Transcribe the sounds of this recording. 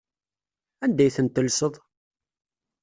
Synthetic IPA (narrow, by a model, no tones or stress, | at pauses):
ænd̪æjθənt̪ːəlsəðˤ